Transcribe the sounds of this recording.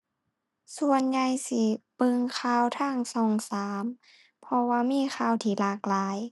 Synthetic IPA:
su˧ənɲa˧jsi˧˩pɤ˧ŋkʰaː˧˥˨wt̪ʰaː˧˥˩ŋsɔː˧˩ŋsaː˨˦m | pʰɔ˧waː˧miː˧˥˨xʰaː˧˩˨wt̪ʰiː˧˩laː˧˩k̚laː˨˦j

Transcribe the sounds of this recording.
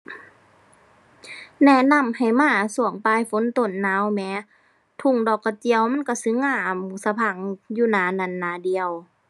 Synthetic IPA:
nɛ˧˩na˧˥˨mha˨˩jmaː˧˩˨su˧˩əŋpaː˧˥˨jfo˧˦˨nt̪o˧˨nːaː˨˧˥wmɛː˧˦ | t̪ʰu˧˨ŋdɔː˨˩kːa˧˩t͡ɕi˧əwma˧˥˨nka˧˩sɯ˧˦ŋaː˧˩˨msa˧pʰa˧˩˨ŋjuː˧˨naː˧˩˨na˧˩˨nːaː˨˧˦di˧˨ə˨w

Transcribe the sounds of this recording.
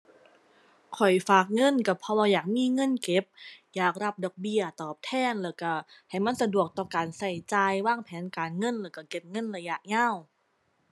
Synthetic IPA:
kʰɔ˨˩jfaː˨˩k̚ŋɤ˧˥˨nka˧˩pʰɔ˧waː˧jaː˨˩k̚miː˧˥˨ŋɤ˧˥˨nke˧˩p̚jaː˨˩k̚ɾa˧˥p̚dɔː˧˩k̚bi˧˥ɐt̪ɔː˨˩p̚t̪ʰɛː˧˥˩nlɛː˧˩ka˧˩ha˨˩jma˧˥˨nsa˧du˨˩ək̚t̪ɔː˧˩kaː˨˩nsa˧˨˩jt͡ɕaː˧jwaː˧˥˩ŋpʰɛː˨˦nkaː˨nŋɤ˧˥˨nlɛː˧˩wka˧˩ke˨˧˦p̚ŋɤ˧˥˨nla˧ja˧˩ʔ̚ɲaː˧˥˩w

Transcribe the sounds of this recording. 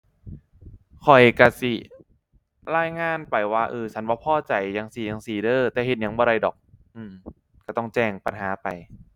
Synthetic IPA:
kʰɔ˨˩jka˧˩si˨˩ | laː˧˥˩jŋaː˧˥˩npa˧˩jwaː˧˩ʔɤː˧t͡ɕʰa˦˥nbɔː˧˦pʰɔː˧˥˩t͡ɕa˧˩jːa˧ŋsi˨˩ja˧ŋsiː˨˩˦dɤː˧˩t̪ɛː˨˩he˨˩n̚ja˧˦ŋbɔː˧ɾa˧˩jdɔ̰ː˨˩k̚ʔɯː˧˩m | kaː˧˩t̪ɔ˥˩ŋt͡ɕɛː˧˩ŋpa˧nɦaː˩˦pa˧j

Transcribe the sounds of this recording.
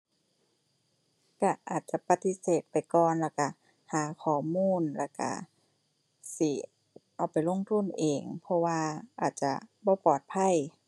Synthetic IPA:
ka˧˩ʔaː˨˩t̪̚t͡ɕa˧˩pa˧t̪i˧˥seː˨˩t̪̚pa˨˩jkɔː˨˩nlɛː˧˩wka˧˩ | haː˨˦kʰɔː˨˩muː˧˥˨nlɛ˧˩ka̰˧˩ | si˧˩ | ʔa˧˩wpa˨˩jlo˧˥˨ŋt̪ʰu˧˥˨nʔeː˨˩ŋpʰɔ˧waː˧ʔaː˨˩t̪̚t͡ɕa̰˧˩bɔː˧˦pɔː˨˩t̪̚pʰa˧˥˨j

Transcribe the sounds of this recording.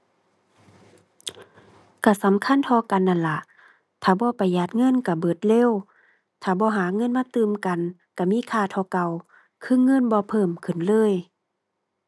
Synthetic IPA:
ka˧˩sa˨˦mkʰa˧˥˨nt̪ʰɔː˧˦ka˨nʔa˧˨nla˧˦ʔ | t̪ʰaː˧˩bɔː˧˦pa˨˩jːaː˧˩t̪̚ŋɤ˧˥˨nka˧˩bɤː˨˩t̪̚leː˧˥˨w | t̪ʰaː˧˩bɔː˧˦ɦaː˨˦ŋɤ˧˥˨nmaː˧˥˨t̪ɯː˨mka˨n | ka˧˩miː˧˥˨kʰaː˧˩˨t̪ʰɔː˧˦ka˧˨w | kʰɯ˧˥˨ŋɤ˧˥˨nbɔː˧˦pʰɤː˧˩˨mkʰɯ˧˩˨nlɤː˧˥˨j

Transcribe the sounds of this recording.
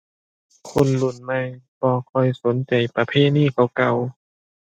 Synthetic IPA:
kʰo˧˥˨nlu˧˩nma˧˩jbɔː˧kʰɔ˧˩jso˨˦nt͡ɕa˨˩jpa˧pʰeː˧˥˨niː˥˩˨kʰa˧˩wka˧˩w

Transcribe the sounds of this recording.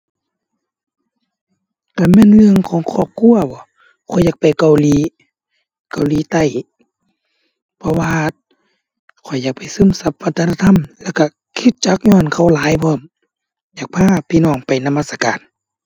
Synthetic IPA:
ka˧˩mɛː˧˥˨nlɯ˧əŋkʰɔː˨˦ŋkʰɔː˧˩p̚kʰu˧˥˨ɐbɔː˧˦ | kʰɔ˨˩jaː˧˦k̚pa˨jka˨wliː˨˦ | ka˨wliː˨˦t̪a˧˩˨j | pʰɔ˧waː˧ | kʰɔ˨˩jːaː˧˩k̚pa˨˩jsɯː˧˥˨msa˧˦p̚ʋa˧t̪ʰːaː˧t̪ʰa˧˥˨mlɛː˧˨ka˧˩ | kʰi˧˦t̪̚t͡ɕa˧˦k̚ɲɔː˧˨nkʰa˧˩˨wlaː˨˦jpʰɔː˧˩˨m | jaː˨˩k̚pʰaː˧˥˨pʰiː˧˨nɔː˧˩ŋpa˨jna˧maː˧t̪sa˧ka̰ː˨n

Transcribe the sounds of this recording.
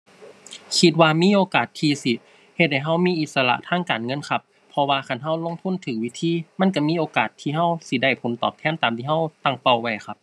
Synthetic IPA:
kʰi˧t̪̚waː˧miː˧˥˨ʔoː˨˧kaː˨˩t̪ʰːiː˧si˧ | he˧t̪̚ha˧˩jɦa˧˥˩wmiː˧˥˨ʔi˧t̪̚sa˧la̰˧˥ʔt̪ʰaː˧˥˨ŋkaː˨˩nŋɤ˧˥˨nkʰa˧pʰːɔ˧waː˧kʰa˧˥˨nɦa˧˩wlo˧˨ŋt̪ʰu˧˥˨nt̪ʰɯː˨˦wi˧˩t̪ʰiː˧˥˨ma˧˥˨nk̬a˧˩miː˧˥˨ʔoː˨kaː˨˩t̪ʰːiː˧˩ɦa˧˥˩wsi˧˦da˧˩jpʰo˨˦nt̪ɔ̰ː˨˩p̚t̪ʰɛː˧˥˨nt̪aː˨mt̪ʰiː˧ɦa˧˥˩wt̪a˧˩ŋpa˧˩wːa˧˩jkʰa˧p̚

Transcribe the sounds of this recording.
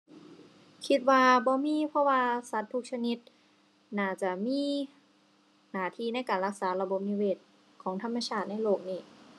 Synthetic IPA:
kʰi˧˥t̪̚waː˧bɔː˧˦miː˧˥˨pʰɔ˧˥waː˧sa˧˦˥t̪ʰːu˧˥k̚sʰa˧ni˧˦˥t̪̚ | naː˧˩t͡ɕa˧˩miː˧˥˨ | naː˨˩t̪ʰiː˧na˧˥˨jkaː˨˩nla˧˥k̚saː˩˦la˧bo˧˦p̚niː˧weː˧˩t̪̚ | kʰɔː˩˦ŋt̪ʰa˧˥˩mːa˧t͡ɕʰaː˥˩t̪̚na˥˩jloː˧˩k̚niː˧˩

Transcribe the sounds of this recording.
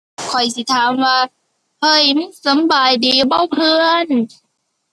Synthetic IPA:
kʰɔ˨˩jsi˧˦t̪ʰaː˨˦mwaː˧˩ | hʰɤ˧˩jm˥˩sa˨˦mbaː˨˩jdiː˨˩bɔ˧˥˩wpʰɯː˧ən

